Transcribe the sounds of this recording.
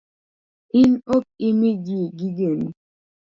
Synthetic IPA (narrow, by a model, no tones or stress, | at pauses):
ɪnok̚ɪmid͡ʒiɡiɡeni